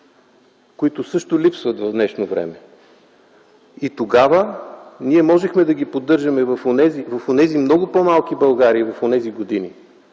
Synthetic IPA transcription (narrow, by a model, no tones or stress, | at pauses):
koit̪ʊsɤʃt̪ʊlʲipsvət̪vɐvnɛʃnovɾɛ̰mɛ | it̪oɡavəniɛmɔʒɛxmɛd̪ɐɡʲipod̪ːɤɾʒəmɛvɐfonɛzivɐfonɛzimnɔɡʊpomalˠkibɐlˠɡaɾiːvɐfonɛziɡod̪ini